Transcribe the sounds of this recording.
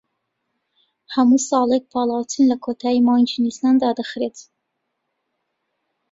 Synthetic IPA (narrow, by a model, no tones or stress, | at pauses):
hɐmusɑːlˠek̚pʰɑlˠɑwt̪ʰɨnlɐkʰot̪ʰɑːjimɑjnt͡ʃʰinisnɑnd̪ɑːd̪əxɾet̪ʰ